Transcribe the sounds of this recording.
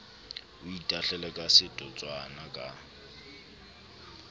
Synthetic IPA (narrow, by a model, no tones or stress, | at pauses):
ʊitʼaɬɛlɛkʼasɪtʼɔt͡sʼwanakʼa